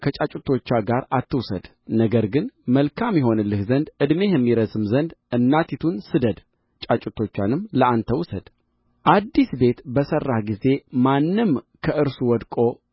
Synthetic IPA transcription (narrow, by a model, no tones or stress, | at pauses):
kʰət͡ʃʼat͡ʃʼut̪ʰːo̞t͡ʃːaɡaɾat̪ːɨwsə̰d̪̥ | nəɡəɾɡɨnməlkʰamjɛɦo̞nɨlːɨhzənd̪ɨd̪me̞jɛmːiɾəzɨmzənd̪ʔɨnːat̪ʰit̪ʰunsɨd̪əd̪ | t͡ʃʼat͡ʃʼɪt̪ʰːo̞t͡ʃːanɨmləant̪ʰəwʊsəd̪̥ | ʔad̪ːisbe̞t̪bəsərːahɡize̞manːɨmkʰəʔɨɾsuwɔd̪kʼo̞